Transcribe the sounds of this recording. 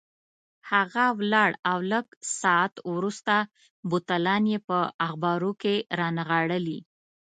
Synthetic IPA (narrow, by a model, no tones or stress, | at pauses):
haɣawlɑɽawləɡsɑat̪wɾust̪a | but̪alɑnjepəaxbɑɾokeɾɑnaɣaɽəli